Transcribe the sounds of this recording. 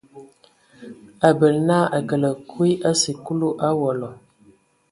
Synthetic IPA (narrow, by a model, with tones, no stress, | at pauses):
a˨bə˨lnaː˦a˨ɡə˨lə˨kʰu˦i˦ʔa˦si˨ku˦lu˦ʔa˦wɔ˨lɔ˨